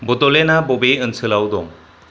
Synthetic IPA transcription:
bɔt̪ɔlɛnabɔbeənsɯlawd̪ɔŋ

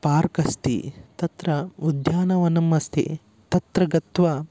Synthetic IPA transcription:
paːɾkɐst̪ḭt̪ɐt̪ɾɐud̪jaːnɐʋɐnɐmɐst̪ʰḭ | t̪ɐt̪ɾɐɡɐt̪ʋɐ

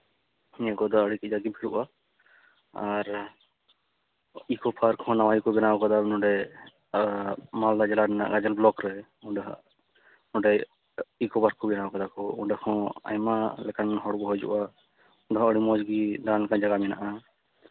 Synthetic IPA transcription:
hiɲakɔd̪aəɽikid͡ʒaɡibʰʱiɽṵʔa | aɾ | ikɔpʰaɾkʰɔ̃nawajikɔbɛnawɔkad̪anɔ̃ɖɛ | mald̪ad͡ʒɛlanɛna̰ʔɡad͡ʒɛlblɔkɾɛ | ũɖaɦa̰ʔ | nɔ̃ɖɛ | ikɔbaɾkʰɔbɛnawɔkad̪akɔuɖakʰɔ̃a̰jmalɛkanɦɔɽɡɔɦɔjd͡ʒɔ̰ʔa | ũɖaɦaəɽimɔd͡ʒɡid̪anlɛkand͡ʒaɡamɛna̰ʔa

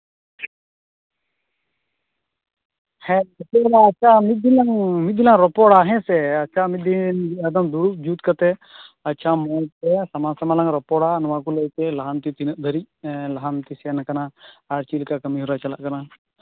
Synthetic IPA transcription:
hɛ̃ɐtɔɽaɐt͡ʃʰamit̪̚d̪ilaŋmit̪̚d̪ilaŋɾɔpɔɽaɦɛ̃sɛɐt͡ʃʰamit̪̚d̪inɐd̪ɐmd̪uɾup̚d͡ʒuːt̪kɐt̪ɛ | ɐtːt͡ʃʰamɔl̚tɛsɐmasɐmalaŋɾɔpɔɽanɔwakulɐjkɛlɐɦant̪it̪inəʔ̚d̪ʱəɾic̚ | lɐɦant̪isɛanakɐnaaɾt͡ʃilkakɐmiɦuɾat͡ʃɐla̰ʔkɐna

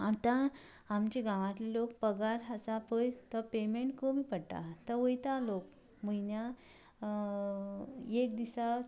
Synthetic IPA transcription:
at̪ã | amt͡ɕeɡãʋãt̪lilok̚pəɡaɾɦəsapojt̪əpemeɳʈkomiːpəɽʈ̪a̰t̪əʋəjt̪alok̚ | m̤əjnja | ek̚d̪isa

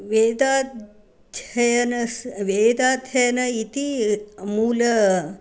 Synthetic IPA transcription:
ʋed̪a | d̪ʱɐjɐnɐsʋeːd̪aːd̪ʱjɐjɐnɐit̪imuːlɐ

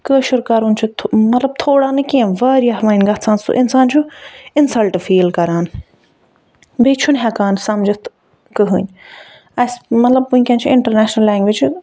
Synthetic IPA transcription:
kəːʃuɾkɐɾunt͡ʃʰut̪ʰmɐt̪lɐb̚t̪ʰoːɽaːnɨkiẽʋɐːɾiɐɦʋɐːinɡɐt̪t͡sʰãːnsṵʔɪnsaːnt͡ʃʰuɪnsɐlʈfiːlkɐɾaːn | beːt͡ʃʰunɦɛkaːnsɐmd͡ʒɐt̪ʰ | kɨɦɨnʲ | ɐsmɐt̪lɐb̚punʲkʲɐ̃nt͡ʃʰuɪɳʈɐɾnɛːʃnɐlːɛːŋɡʋid͡ʒu

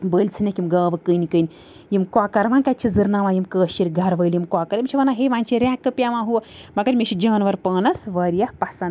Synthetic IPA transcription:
bəːlʲt͡sʰɨnekʲimɡaːʋɨkəːnikəːni | jimkʷaːkɐɾʋaːnkat͡ʃʰizɨɾnaːʋãːjimkəːʃiɾɡʱɐɾʋəjljimkaːkɐɾimʲt͡ʃʰiʋaːnaɦeʋãːnʲt͡ʃʰiɾʲaːkːɨpʲjaʋãːɦumɐɡɐɾmʲet͡ʃʰid͡ʒaːnʋɐɾpəːnɐsʋɐːɾijɐhpɐhsɐn

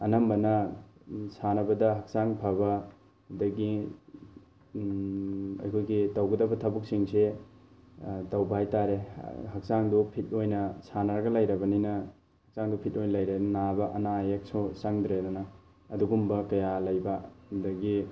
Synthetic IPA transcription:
ɐnɐmbɐnɐ | sanɐbɐdɐɦɐk̚saŋpʰabɐ | dɐɡi | ɐ̰jkʰojɡitɐwɡɐdɐbɐtʰɐbuk̚siŋse | tɐwbɐhajtaɾeɦɐk̚saŋdupʰit̚ojnɐsanɐɾɐɡɐlɐjɾɐbɐninɐ | hɐk̚saŋdupʰit̚ojnlɐjɾennabɐʔɐnajek̚sosaŋdɾedɐnɐ | ɐduɡumbɐkɐjalɐjbɐdɐɡi

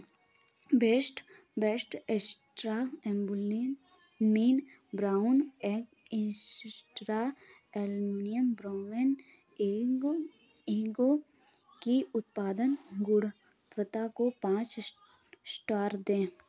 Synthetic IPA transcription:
beːsʈ | beːsʈesʈɾaɛ̃mbʊli | miːn | bɾaːʊneːɡ | ɪ̃ʈɾa | ɛlmnijəmbɾaːŋen | iɡo | kiʊt̪̚paːd̪ənɡʊɽ | t̪ʋət̪akopãːt͡ʃ | sʈaːɾd̪ẽː

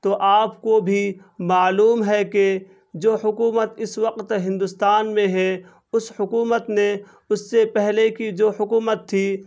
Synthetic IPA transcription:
t̪oʔaːpkobʱi | maːluːmɦɛke | d͡ʒoːhʊkuːmət̪ɪsʋəqt̪ɦɪ̃nd̪ʊst̪aːnmẽɦɛ | ʊshʊkuːmət̪nẽ | ʊsːepɛɦlekid͡ʒoːhʊkuːmət̪ʰːi

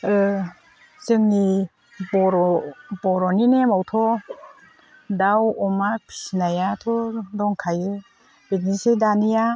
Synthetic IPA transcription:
ɯ | zɯŋːi | bɔɾɔbɔɾɔninemawtʰɔ | dawɔmapʰi̥sinajatʰɔdɔŋkʰajɯ | betnisedanija

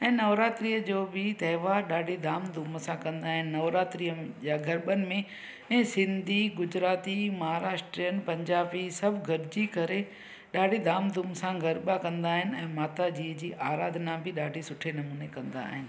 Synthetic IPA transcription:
ɛ̃ːnɐʋɾaːt̪ɾiːjəd͡ʑoːbɪt̪ɛɦʋaːɗaːɖʱid̪ʱaːmd̪ʱuːməsãkɐ̃nd̪aːɦɪnɪ̆nɐʋɾaːt̪ɾijəʄaːɡʱɐɾɓənɪ̆mẽ | ɛ̃ːsɪ̃nd̪ʱiɡʊd͡ʑɾaːt̪imɐɦaːɾaːʃʈɾijənɪ̆pɐ̃ɲd͡ʑaːbisɐbʱɡʱɐɾd͡ʑikɐɾe | ɗaːɖʱid̪ʱaːmd̪ʱuːmsãɡʱɐɾɓakɐ̃nd̪aːɦɪnɪ̆ɛ̃ːmaːt̪ad͡ʑiːəd͡ʑiːʔaːɾaːd̪ʱnabʱɪɗaːɖʱisʊʈʰenɐmuːnekɐ̃nd̪a̰ːɦɪnɪ̆

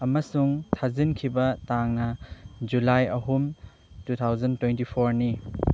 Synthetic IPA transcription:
ɐmɐsuŋtʰazinkʰibɐtaŋnɐd͡ʒulajɐɦum | tut̪ʰawzɐntwentipʰoɾni

